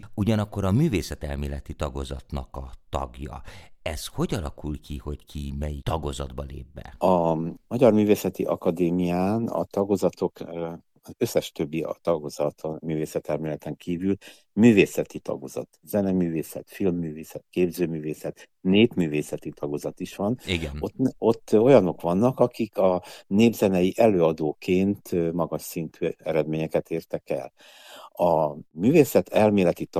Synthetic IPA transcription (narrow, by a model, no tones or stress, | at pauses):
uɟɒnɒkːo̞ɾɒmyːveːsɛt̪ɛlmeːlɛt̪it̪ɒɡo̞zɒt̪nɒkɒt̪ɒɡjɒ̰ɛsho̞ɟɒlɒkulkʰiho̞ckʰimɛjit̪ɒɡozɒd̪bɒlḛːbːɛ̰ɒmɒɟɒrmyːveːsɛt̪iʔɒkɒd̪eːmijaːnɒ̰t̪ɒɡozɒt̪o̞kː | zøsːɛʃt̪øbːit̪ɒɡozɒt̪ʰmyːveːsɛt̪ɛlmilɛt̪ɛŋkiːvyl | myːveːsɛt̪it̪ɒ̰ɡozɒ̰t̪zɛnɛmyːveːsɛ̰t̪filmːyːveːsɛt̪keːbzøːmyːveːsɛt̪ | neːpmyːveːsɛt̪it̪ʰɒɡozɒt̪iʃʋɒniɡo̞t̪ːo̞jɒno̞kʋɒnːɒkɒkikɒneːbzɛnɛjiʔɛløːɒd̪oːkʰeːnt̪ʰmɒɡɒʃsint̪ʰyːɛɾɛd̪meːɲɛkɛt̪eːrt̪ɛkɛ̰l | ɒmyːveːsɛt̪ʰɛlmeːlɛt̪it̪